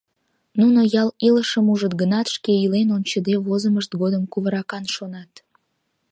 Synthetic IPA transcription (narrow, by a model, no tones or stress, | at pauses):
nunojɑliləʃəmuʒət̪̚ɡənɑt̪ʃkeilenont͡ɕəd̪eβozəməʃt̪ɡod̪əmkuβəɾɑkɑnʃonɑt̪